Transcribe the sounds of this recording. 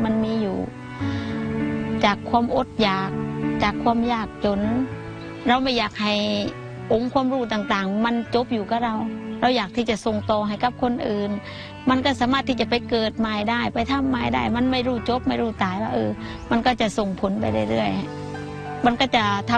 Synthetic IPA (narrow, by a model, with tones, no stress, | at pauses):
ma˧˥˨nmiː˧˥˨juː˨˩ | t͡ɕaː˨˩kʰːwuː˧˨mʔo˧˦t̪̚jaː˨˩k̚t͡ɕaː˨˩kʰːwuː˧˨mjaː˧˩k̚t͡ɕo˧˦n | ɾa˧wma˧˩jaː˨˩k̚ha˨˩j | ʔo˧˥ŋkʰwu˧˨mɾuː˧˩t̪aː˨˩ŋt̪aː˨˩ŋma˧˥˨nt͡ɕo˧˥p̚juː˨˩ka˧˥ɾa˧˩wɾa˧˩wjaː˨˩k̚t̪ʰiː˧˩t͡ɕa˧˩˨so˨˩ŋt̪ɔː˨˩ɦa˨˩jka˧˥p̚kʰo˧˥˨nʔɯː˨n | ma˧˥˨nkɔː˧˩saː˨˦maː˧t̪ʰːiː˧˩t͡ɕa˧˨pa˨˦jkɤː˨˩t̪̚maː˧˩jdaː˧˩jpa˨jt̪ʰa˧˥˨mːaː˧˩jda̰˧˥˩jma˧˥˨nma˧˩jɾuː˧˩t͡ɕo˧˥p̚ma˥˩jɾuː˧˩t̪aː˨˩jwaː˧ʔɤː˧ | ma˧˥˨nkɔː˧˩t͡ɕa˧˩so˨˩ŋpʰo˨˦npa˧˨jda˧˩jlɯ˧˩əjha˨˩ | ma˧˥˨nkɔː˧˩t͡ɕa˧˩t̪ʰa˧